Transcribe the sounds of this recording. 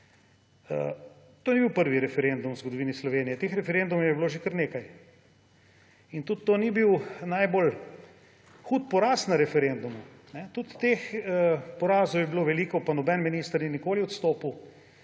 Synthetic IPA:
ə | t̪oːnibiwpəɾʋiɾɛfɛɾend̪umzɡod̪ɔʋiːnislɔʋeːnijɛt̪eːxɾɛfɛɾend̪umwjɛbiloːʒekəɾneːkaj | int̪ut̪ːoːnibiwnajbol | xut̪̚pɔɾaːsnaɾɛfɛɾend̪umunɛt̪ut̪ːeːxəpɔɾaːzɔwjɛbiloːʋɛliːkɔpanɔbɛnminiːst̪əɾninikoːliɔt̪st̪oːpuw

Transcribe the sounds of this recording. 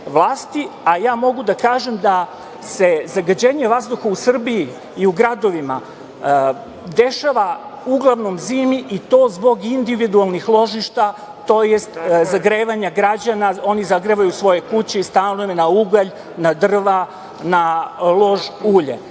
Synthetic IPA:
ʋlˠaːst̪iajaːmo̞ɡud̪akaːʒe̞md̪a | se̞zaɡad͡ʑe̞ɲe̞ʋazd̪uxausr̩bijiː | uɡɾad̪o̞ʋima | d̪e̞ʃaʋauɡlˠaʋno̞mziːmiʔit̪o̞ːzbo̞ɡind̪iʋid̪ualˠnixlˠo̞ʒiʃt̪a | t̪o̞jest̪zaɡɾeːʋaɲaɡɾad͡ʑanao̞nizaɡɾeʋajusʋo̞je̞kut͡ɕeist̪anujemnauɡaʎ | nad̪r̩ʋa | nalˠo̞ʒuːʎḛ

